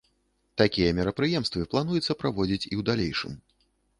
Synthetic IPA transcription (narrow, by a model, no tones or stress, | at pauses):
t̪akʲijɐmʲɛɾɐpɾɨjɛmst̪vɨplˠanujɛt̪sːɐpɾavɔd͡zʲit͡sʲiwd̪alʲejʂɨ̰m